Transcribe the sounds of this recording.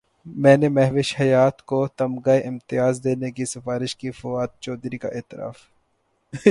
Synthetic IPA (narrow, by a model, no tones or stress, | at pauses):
mɛ̃ːnemɛɦʋɪʃhɐjaːt̪kot̪ɐmɡaeʔɪmt̪ɪjaːzd̪eːnekisɪfaːɾɪʃkifʊwaːd̪̚t͡ʃɔːd̪ɾika̰ʔeːt̪ɪɾa̰ːf